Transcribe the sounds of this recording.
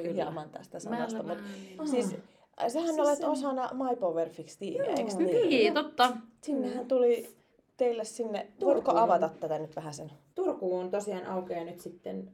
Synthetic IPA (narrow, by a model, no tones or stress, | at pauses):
yhiɑmɑnt̪æ̰st̪æsɑmɑ̰st̪ɑmut̪siːs | sehænneolet̪osɑnɑmɑipoʋerfikst̪ḭːeḛːksnːt̪ot̪ːɑsinːehːænt̪uli | t̪eilːessinːeʋ̪oˑit̪kːoɑʋɑt̪ɑt̪tæt̪ænyt̪ʋæhæsent̪urkuːont̪osiɑːnʔɑukejɑnyt̪sit̪ːen